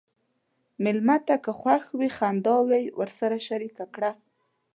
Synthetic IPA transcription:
mɪlmat̪akəxwaxwixand̪ɑwajwəɾsaɾaʃaɾikakɽa

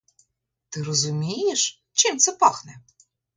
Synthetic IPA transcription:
t̪ɨɾɔzumʲejɛʂ | t͡ɕɛmt̪sɛpaxnɛ

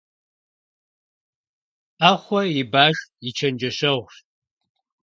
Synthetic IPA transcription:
ʔaːχʷɔjibaːʒit͡ʃʰɐnd͡ʒɐʃɐʁʷʃ

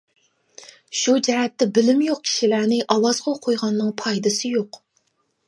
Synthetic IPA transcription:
ʃud͡ʒɛɾɛt̪ːɛbɪlɪmjoq̚kʲʰi̥ʃilæɾnɪʔɑwɑzʁɑqʰojʁɑnːɨŋpʰɑjd̪ɨsɨjoq

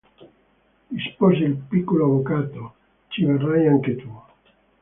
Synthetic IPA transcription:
ispɔzelpikːoloaβokat̪o | t͡ʃiβerajaŋket̪u

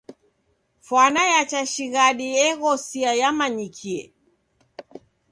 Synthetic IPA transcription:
fwanajat͡ʃaʃiɣaɗiɛɣɔsiajamaɲikʰiɛ̰

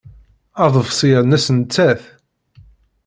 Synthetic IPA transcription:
ɑðˤəvsˤinæsənt͡sːæθ

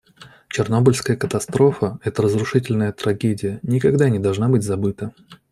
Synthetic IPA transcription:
t͡ɕɪrno̞bəlʲskəjəkət̪ɐst̪ɾo̞fəɛt̪əɾəzɾʊʂɨtʲɪlʲnəjət̪ɾɐɡʲedʲɪjənʲɪkɐɡd̪anʲɪd̪ɐlˠʐnabɨtʲzɐbɨt̪ə

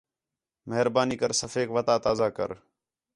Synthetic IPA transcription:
meɦɾbaːniːkəɾsəfeːkʋət̪aːt̪aːzaːkə̰ɾ

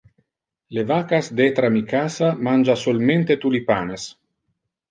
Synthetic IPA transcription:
levaːkasd̪et̪ɾamikaːsamand͡ʒasolment̪et̪ulipaːnes

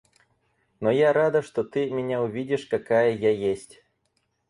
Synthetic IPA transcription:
nɔjaɾad̪ɐʂt̪ɔt̪ɨmʲɪnʲaʊvʲidʲɪʂkɐkajəjajesʲtʲ

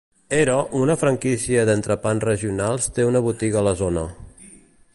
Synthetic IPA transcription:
eɾɔʔunəfɾəŋkisiəðənt̪ɾəpansrəʒiunalˠst̪eunəβut̪iɣəːləzonə

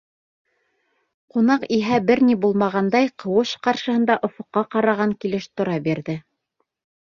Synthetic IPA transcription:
qunɑqiɦæbɘɾnibulˠmɑʁɑnd̪ɑjqɤ̆wɤʃqɑɾʃɤ̆hɤ̆nd̪ɑʔŏfŏqːɑqɑɾɑʁɑŋkilɘʃt̪ŏɾɑbiɾðɘ

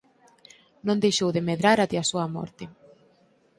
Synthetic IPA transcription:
nõnd̪ejʃowðemeðɾaɾat̪ɪasuamɔ̰ɾt̪ɪ

